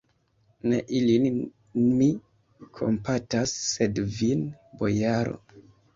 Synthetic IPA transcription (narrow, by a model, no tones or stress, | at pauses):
ne̞ʔilin | mi | kʰo̞̰mpatasːe̞dvin | bo̞jaɾo̞̰